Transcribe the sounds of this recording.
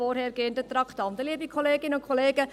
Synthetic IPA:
ɔɾhɛːɾɡ̥eːndət̪ɾɑktɑndəliːəbikʰoleːɡɪnəʊntkʰoleːɡə

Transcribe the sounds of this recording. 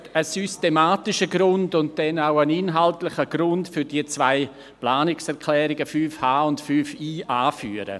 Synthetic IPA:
əsystemaːtɪʃəɡɾʊndʊnt̚d̥ɛnaʊənɪnɦaltlɪχəɡ̥ɾʊntfʏɾd̥iət͡svaɪ | plaːnɪksɛɾkʰlɛːɾɪɡəfyːfhaːʊntfyːfiːʔaːfy̰ːəɾə̰

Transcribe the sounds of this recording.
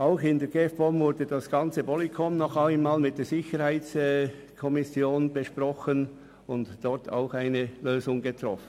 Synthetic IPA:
aʊxɪndɛːɾɡeːfb̥ɔmvʊɾdədɑsɡ̥ɑnt͡səvɔlikʰɔmnɔχaɪnmaːlmɪt̚d̥eːz̥ɪçəɾhaɪt͡sɛ | kʰɔmɪsjoːnb̥əʃprɔxən | ʊntd̥ɔɾtʰa̰ʊxaɪnəløːzʊŋɡət̪ɾɔ̰fən̩

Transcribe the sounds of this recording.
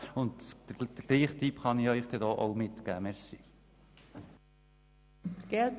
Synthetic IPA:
ʊnt̪d̥̪əɡ̥liːχt̪ʰipχɑniœʏχd̥̪ɛdɔːʔoʊmɪt̪kæməɾsiː | fɾɡ̥ɛlt

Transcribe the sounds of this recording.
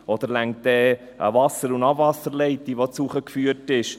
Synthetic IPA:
ɔd̪əɾlæŋt̪ɛ | ʔə̰vɑsːəɾunɑbvɑsəɾlɛɪt̪ːiʋot͡suχəkfyətɪʃ

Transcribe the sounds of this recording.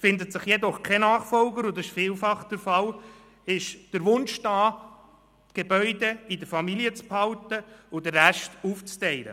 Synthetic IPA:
fɪnd̪ətsɪχjɛdɔχkʰɛnɑːχfɔlɡəɾʊndɪʃfiːlfɑχd̥əɾfɑl | ɪʃd̥əɾʋʊnʃd̥ɑː | tɡ̥ebœʏdɛidəɾfɑmiliət͡sphɑltəʊd̥əɾːæʃtuːft͡stɛɪɾə̰

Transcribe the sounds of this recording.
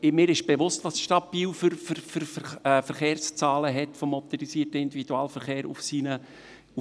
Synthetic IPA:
ɪmɪːɾɪʃb̥eʋʊstʋɑsʃtɑbiːlfʏɾfɾfʏɾɛfəɾχeːɾst͡sɑːləɦɛtfɔmɔt̪ɛɾisiːtəɪnd̪ividuɑːlfəɾχeːɾṵfsiːnə

